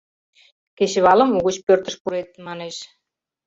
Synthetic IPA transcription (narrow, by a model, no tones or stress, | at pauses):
keɕeβɑlə̆muɣut͡ɕpørt̪ə̆ʃpuɾet̪̚mɑneʃ